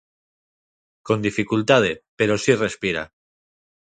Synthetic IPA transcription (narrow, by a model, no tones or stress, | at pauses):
ko̞nd̪ifikult̪að̞e̞pe̞ɾo̞sire̞spiɾa̰